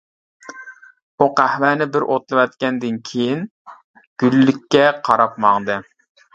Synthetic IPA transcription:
uqæhmænɪbɪɾʔot̪lˠɨwɛt̪̚kʲɛnd̪ɪnkʲʰejin | ɡ̥ʲylːykʲːɛqʰɑɾɑpmɑŋd̪ɨ

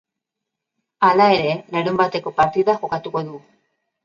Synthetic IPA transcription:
alaeɾeneɾumbat̪ekopaɾt̪iðaxokat̪ukoðu

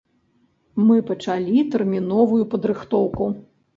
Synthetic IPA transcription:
mɨpɐt͡ʂalʲit̪ɛrmʲinɔvujupɐd̪ɾɨxt̪ɔwku

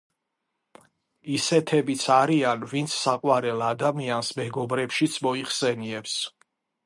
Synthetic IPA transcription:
isɛt̪ʰɛbit̪sʰaɾianvint̪sʰsaqʼwaɾɛlˠad̪amiansmɛɡɔbɾɛpʃit̪sʰmɔiχsɛniɛps

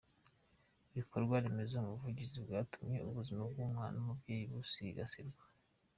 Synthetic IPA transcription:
iβikʰo̞ɾɡwaɾemezeumuvuɟizibɡaːtumɲe̞̰ʔuβuzimab̚ɡuːmŋaːnumubɟeːjiβusiɡa̰siɾɡwḁ

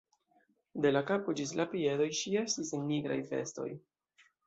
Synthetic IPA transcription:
de̞lakapod͡ʒis̬lapie̞do̞jʃie̞stisenːiɡɾa̰jfe̞̰sto̞̰j

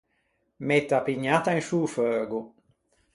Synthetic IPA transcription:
met̪apiɲat̪ãnʃuːfœːɡu

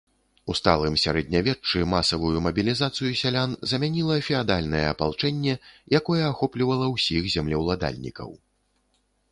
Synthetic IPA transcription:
ust̪a̰lˠɨmsʲaɾɛd̪ʲnʲavʲɛt͡ʂt͡ʂːɨmasɐvujumɐbʲilʲizat̪sɨjusʲalʲanzɐmʲanʲilˠɐfʲɛad̪alʲnɐjɛɐpalˠt͡ʂɛnʲːɛjakɔjɛaxɔplʲivɐlˠɐwsʲixzʲamlʲɛwlˠad̪a̰lʲnʲḭkɐ̰w

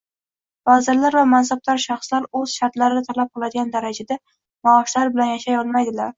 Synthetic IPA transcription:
vazɪɾlaɾvamansab̚laɾʃɑχslaɾɵz̥ʃaɾt̪laɾɪd̪at̪ʰalap̚qɨlˠad̪ɪɡʲand̪aɾad͡ʒad̪a | maːʃlaɾbɪlanjaʃajɒlˠmad̪ɪlaɾ

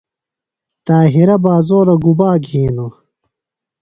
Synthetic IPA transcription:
t̪aːɦiɾɐbaːzoːɾɐɡubaːɡʱiːno

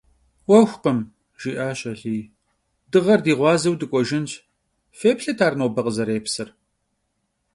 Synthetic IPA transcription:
wɐxʷqəm | ʒ̥iːʔaːɕɐɬiː | dɨʁɐrdiːʁʷɑːzɐwdɨkʷʼɔʒɪnt͡ʃʼ | feːpɬɨtʰaːrnoːbɐqʼəzɐɾeːpsɨr

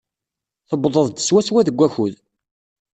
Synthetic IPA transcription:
θəbðˤəðˤd̪ə̥swæswæðəɡʷːæçuð

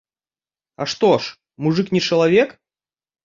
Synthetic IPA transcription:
ɐ̰ʂt̪oʂ | muʐɨknʲɪt͡ʂɐlˠavʲek

